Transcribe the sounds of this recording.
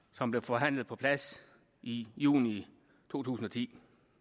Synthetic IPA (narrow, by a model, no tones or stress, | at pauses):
sɒ̽mb̥le̝fɒ̽ɦæn̰lð̩ˠpʰɒ̥̽pʰlæs | ijṵːni | t͡sʰo̝̰ːt͡sʰṵːsn̩ɒ̽t͡sʰḭː